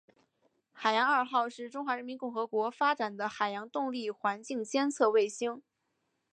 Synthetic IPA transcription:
xa˨˩ɪjɑ˧˥ŋə˞˨˩xɑ˥˧ʊʂɻ̩˥˩ʈ͡ʂʊ˥ŋxwa˧˥ɻə˧˥mi˧˥nkʊ˥˩ŋxɤ˧˥kwɔ˧˥fa˥ʈ͡ʂa˨˩nd̪ə˦xa˨˩ɪjɑ˧˥ŋt̪ʊ˥˧ŋli˥˩xwa˧˥nt͡ɕi˥˧ŋt͡ɕjɛ˥nt͡sʰɤ˥˧we˥˩ɪɕi˥ŋ

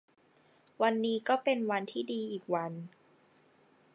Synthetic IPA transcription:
wa˧nːiː˦˥kɔː˥˩pe˧nwa˧nt̪ʰiː˥˩diː˧ʔiː˨˩k̚wa˧n

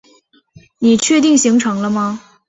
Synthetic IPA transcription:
ni˨˩t͡ɕʰɥɛ˥˧t̪i˥˩ŋɕi˧˥ŋʈ͡ʂʰɤ˧˥ŋlə˧mɐ˧

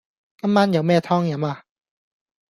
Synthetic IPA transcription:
ka˧˥mːa˧˥˨nja˨˦wmɛː˧˩t̪ʰɔ˥˨ŋja˨˦ma˧˩

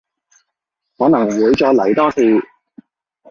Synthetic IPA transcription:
hɔː˨˥nɐ˨˩ŋ˨˩wʊ˨˥t͡ʃɔː˨˧lɐ˨˩jt̪ɔː˥t̪ʰi˧

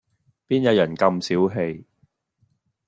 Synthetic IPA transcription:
piː˥njɐ˨˥jɐ˨˩nkɐ˧msiː˨˥wɦe˧j

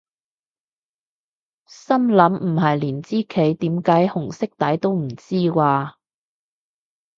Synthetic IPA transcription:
sɐ˥mlɐ˨˥mm̩˨˩ɦɐ˨jliː˨˩nt͡siː˥kʰe˨˥jt̪iː˨˥mkaː˨˥jhʊ˨˩ŋsɪ˥k̚t̪ɐ˨˥jt̪o˥wm̩˨˩t͡siː˥waː˧

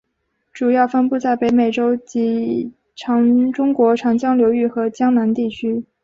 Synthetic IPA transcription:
ʈ͡ʂu˨˩jɑ˥˩ʊfə˥npu˥˧t͡sa˥˩ɪpe˧˥ɪme˨˩ɪʈ͡ʂo˥ʊt͡ɕi˧˥ | ʈ͡ʂʰɑ˧˥ŋʈ͡ʂʊ˥ŋkwɔ˧˥ʈ͡ʂʰɑ˧˥ŋt͡ɕjɑ˥ŋljo˧˥ʊy˥˩xɤ˧˥t͡ɕjɑ˥ŋna˧˥nt̪i˥˩t͡ɕʰy˥

